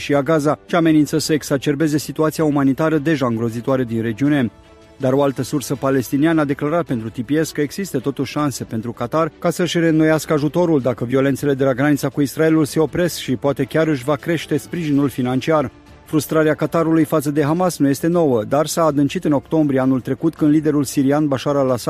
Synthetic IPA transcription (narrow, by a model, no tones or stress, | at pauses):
ʃiaɡazaʃiame̞nint̪səsəeksat͡ʃe̞rbe̞ze̞sit̪uat̪sijaumanit̪aɾəd̪e̞ʒaɨŋɡɾo̞zit̪uaɾed̪inre̞d͡ʒiune̞ | d̪aɾo̞alt̪əsursəpale̞st̪inianəad̪e̞klaɾat̪̚pent̪ɾut̪ipie̞skəeɡz̥ist̪ət̪o̞t̪uʃʃanse̞pe̞nt̪ɾukat̪arkasəɨʃre̞no̞jaskəaʒut̪o̞ɾuld̪akəvio̞lent̪se̞le̞d̪e̞laɡɾanit̪sakuisɾae̞lulse̞o̞pɾe̞skʃipoat̪e̞kʲaɾɨʃ̬vakɾe̞ʃt̪e̞spɾiʒinulfinant͡ʃiar | fɾust̪ɾaɾeakat̪aɾulujfat̪səd̪e̞ɦamasnuje̞st̪e̞no̞wəd̪arsaːd̪ɨnt͡ʃit̪ɨno̞kt̪o̞mbɾieanult̪ɾe̞kut̪kɨnd̪lid̪e̞ɾulsiɾianbaʃaɾalasa